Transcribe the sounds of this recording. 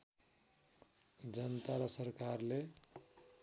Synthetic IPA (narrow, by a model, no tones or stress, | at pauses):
d͡ʒənt̪aɾʌsəɾkaɾle